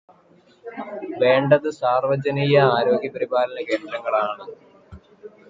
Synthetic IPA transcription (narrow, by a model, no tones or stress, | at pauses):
ʋe̞ːɳɖɐðɨsaːrʋɐd͡ʑɐnijɐaːɾo̞ːɡʱjɐpɐɾibaːlɐnɐke̞ːnd̪ɾɐŋːɐɭaːɳɨ